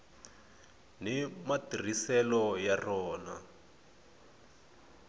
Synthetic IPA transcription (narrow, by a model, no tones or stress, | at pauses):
nimatir̤isɛlɔjarɔːna